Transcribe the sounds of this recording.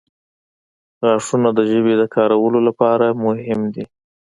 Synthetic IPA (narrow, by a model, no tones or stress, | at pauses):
ɣɑʂunad̪əʒəbed̪əkɑɾawəlolapɑɾamʊhɪmd̪i